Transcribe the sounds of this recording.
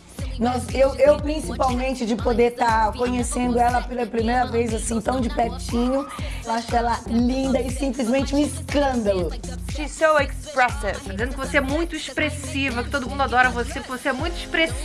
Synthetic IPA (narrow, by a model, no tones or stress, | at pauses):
nɔsewʔewpɾĩsipawmẽnt͡ʃɪd͡ʒɪpod̪eɾt̪akõɲesẽnd̪ʊɛlɐpɐpɾimejɾɐvejzasĩt̪ɐ̃w̃d͡ʒɪpɛɾt͡ʃĩɲʊewaʃʊ̥kɛlɐlĩnd̪ɐɪsĩplɪzmẽnt͡ʃɪmɪɪskɐ̃nd̪ɐlʊʃisowekspɾɛsḛɾt̪ad͡ʒizẽnd̪ʊkɪvoseɛmũj̃t̪ʊispɾesivɐkɪ̥t̪od̪ʊmũd̪ad̪ɔɾɐvosekɪvoseɛmũj̃t̪ʊi̥spɾes